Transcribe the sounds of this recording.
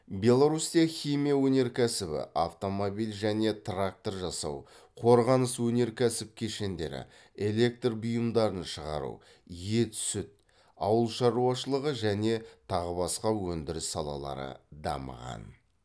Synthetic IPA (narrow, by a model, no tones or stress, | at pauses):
bʲe̞lˠoɾusijaχʲijmijawɵne̞ɾkʲʰæsɪbɪ̰ʔaft̪o̞mobijlʒæne̞t̪rak̚t̪o̞rʒɑsɑw | qʰo̞ɾʁɑnəswɵne̞ɾkʲʰæsɪp̚kʲʰeʃe̞nd̪e̞ɾɪ̰ | e̞lʲe̞k̚t̪rbʊjəmd̪ɑɾənʃəʁɑ̰ɾṵ | je̞t̪ʰsʏt̪̚ | ɑ̰wəlˠʃɑɾuɑʃəlˠəʁəʒæne̞t̪ʰɑʁəbɑsqɑwɵnd̪ɪɾɪsːɑlˠɑ̰lˠɑ̰ɾə̰d̪ɑ̰mə̰ʁɑ̰n